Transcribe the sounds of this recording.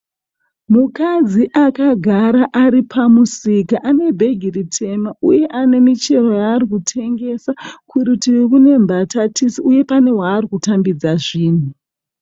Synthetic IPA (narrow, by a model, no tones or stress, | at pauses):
mukad͡ziʔakaɡʱaɾaʔaɾipʰamusikaʔane̞bʱe̞ɡʱiritʰe̞maʔuje̞ʔane̞mit͡ʃe̞ro̞jaːrikutʰe̞ŋɡe̞sakuɾitiwikune̞mbʱatatisiuje̞pane̞waːrikutambid͡zaʐiːn̤u